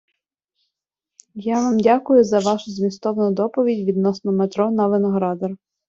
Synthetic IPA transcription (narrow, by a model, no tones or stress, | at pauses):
jaʋɑmdʲakʊjʊzɐʋɑʃʊzmʲist̪ɔʋɔnʊd̪ɔpɔʋʲidʲʋʲid̪nɔsnɔmet̪ɾɔnɔʋenɔɦɾɑd̪ɔr